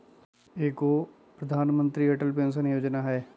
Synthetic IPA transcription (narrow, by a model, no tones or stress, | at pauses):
eːkoː | pɾəd̪ʱaːnmə̃nt̪ɾiɛʈəlpẽːns̬ənjoːd͡ʒnaːɦɛː